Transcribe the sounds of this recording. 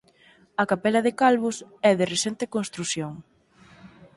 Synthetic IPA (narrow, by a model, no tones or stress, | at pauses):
ɐkapɛlɐðɪkalβʊsɛðɪresɛnt̪ɪkõnst̪ɾuθjoŋ